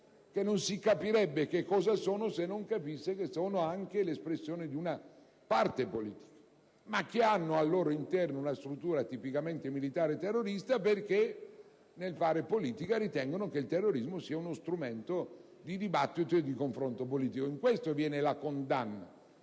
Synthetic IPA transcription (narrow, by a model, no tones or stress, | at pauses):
kenːonsikapiɾɛbːekekːɔːzasoːnosenːoŋkapisːekesoːnoaŋkelespɾesːjoːned̪iuna | part̪epolḭːt̪i̥kḁ | mak̟ːeanːoalːoːɾoint̪ɛrnounast̪ɾut̪ːuːɾat̪ipikament̪emilit̪aːɾet̪erːoɾist̪aperke | nelfaːɾepoliːt̪ikaɾit̪ɛŋɡonokeilt̪erːoɾizmosiːaunost̪ɾument̪o | d̪id̪ibat̪ːit̪oed̪ikoɱfɾont̪opoliːt̪ikoiŋkwest̪ovjɛːnelakond̪anːa̰